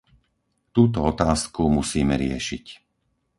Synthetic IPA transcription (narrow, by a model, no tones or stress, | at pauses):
t̪uːt̪ɔɔt̪aːskumusiːmɛɾɪɛ̰ʃic